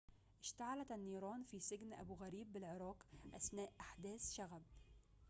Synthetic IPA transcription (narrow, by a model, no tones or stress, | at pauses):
ʔɪʃt̪aʕalæt̪anːiːɾˤɑːnfisɪɡnʔa̰buɣæɾiːbːɪlʕɪɾˤɑːqʔæsnæːʔʔaħd̪æːsʃaɣæb̚